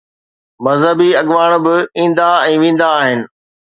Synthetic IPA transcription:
mɐzɦəbiɐɠʋaːɽ̃bɪĩːnd̪aɛ̃ːʋẽːn̆d̪aːɦɪnɪ̆

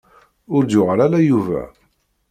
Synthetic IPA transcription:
ʊɾd̪jʊʁɾælæjuvæ̰

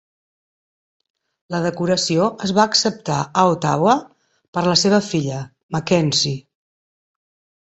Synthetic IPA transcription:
ləðəkuɾəsioəzβaəːksəp̚t̪aəot̪a̰wə | pəɾləseβ̞əfiʎə | məkɛnsi

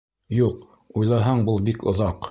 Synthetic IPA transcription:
juq | ujlˠɑɦɑɴbulˠbikŏ̰ðɑq

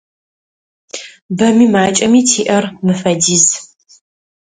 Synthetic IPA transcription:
bɐmiːmaːt͡ʃʼɐmiːtʰiːʔɐrmɨfɐdiːz

